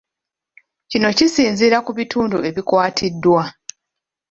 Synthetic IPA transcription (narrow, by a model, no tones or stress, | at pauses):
cino̞cisiːnziːɾakuβituːndue̞βikwaːtʰidːwa